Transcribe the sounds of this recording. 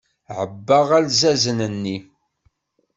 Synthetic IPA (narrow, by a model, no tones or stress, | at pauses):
ʕəbːaʁælzæzənənːi